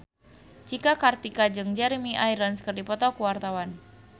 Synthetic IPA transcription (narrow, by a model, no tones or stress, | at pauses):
t͡ʃikakart̪ikad͡ʒɨŋd͡ʒɛɾimiʔajɾənskərdipɔt̪ɔkuwart̪awan